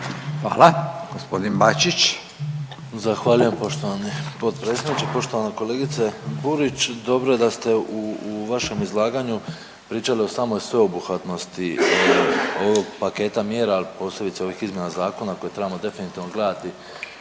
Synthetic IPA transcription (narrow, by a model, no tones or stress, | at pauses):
xʋa̰ːlaɡ̥ospod̪inbat͡ʃit͡ɕ | zaxʋaːʎuje̞mpo̞ʃt̪o̞ʋanipo̞t̪pɾet̪sʲjed̪nit͡ɕepo̞ʃt̪o̞ʋaneko̞leɡit̪sebuɾit͡ɕd̪o̞bɾoje̞d̪ast̪e̞uʋaʃe̞mizlˠaːɡaɲu | pɾiːt͡ʃalio̞saːmo̞jsʋe̞o̞buxʋat̪no̞st̪i | o̞ʋo̞ɡpake̞t̪amje̞ːɾaːlipo̞ːsle̞bit̪seo̞ʋixizmje̞nazaːko̞nako̞jet̪ɾe̞bamo̞d̪e̞finit̪iːʋno̞ɡle̞d̪at̪i